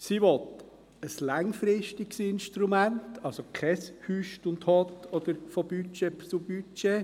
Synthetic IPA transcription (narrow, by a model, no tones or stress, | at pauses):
siʋɔt̪ | əslɑŋfɾɪʃtɪɡsɪnʃtɾumæntʰɑlsokʰɛshyʃtʊnthɔt̪ɔd̥̪əɾfob̥yt͡ʃept͡subyt͡ʃe